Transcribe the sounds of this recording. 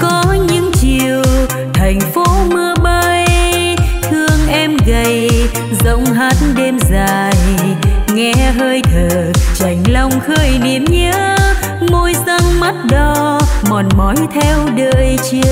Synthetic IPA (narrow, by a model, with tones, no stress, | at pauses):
kɔ˨˦ɲɨ̰˧˥ŋt͡ɕi˨˧˨əw | t̪ʰa˨˩jŋ̟fo˨˦mɨ˧əɓə˧j | t̪ʰɨ˧əŋʔɛ˧mɣə˧˩j | zə̰˧˥wŋ͡mɦaː˨˦˥t̚ɗe˧mzaː˨˩jŋɛ˧ɦəː˧jt̪ʰəː˨˩t͡ɕa˨˩jŋ̟la˧wŋ͡mxəː˧˩jni˧˩˨əmɲə˧˥˦ | mo˧jza˧ŋma˦˥t̚ɗɔ˨˦mɔ˨˩nmɔ˨˦jt̪ʰɛ˧wɗəː˧˨jt͡ɕi˦˧˦ə